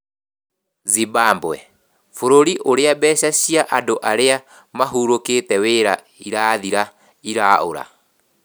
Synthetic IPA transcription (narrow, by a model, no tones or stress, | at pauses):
zibaːmbwɛ̰ | foɾoɾiʔoɾeabɛːɕaɕiaʔadoʔaɾea | maɦuːɾoketɛweːɾa | iɾaːðiɾa | iɾao̰ɾa̰